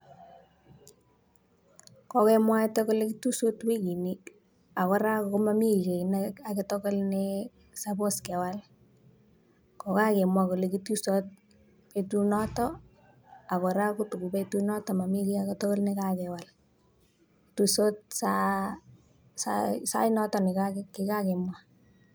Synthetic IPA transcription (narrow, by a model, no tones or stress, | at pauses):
kɔkɛmwaɛtɛkolekitusotwikini | akɔɾakokomamikenakaketokolne | saposkɛwal | kɔkakɛmwakolekitusot̚ | petunɔtɔ | akɔɾakotukupetunɔtɔmamikiaketɔkolnɛkakɛwal | tusot̚sa | sasa̰inɔtɔnikakkikakɛmwa